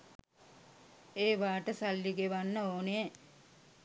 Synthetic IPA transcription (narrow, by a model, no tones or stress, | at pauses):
eːʋaːʈəsalːiɡeʋanːəoːnee